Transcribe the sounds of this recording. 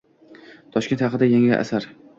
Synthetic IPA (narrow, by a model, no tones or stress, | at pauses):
t̪ʰɒʃkʲe̞nt̪hɑqɨd̪ajaŋɪ̰ʔa̰saɾ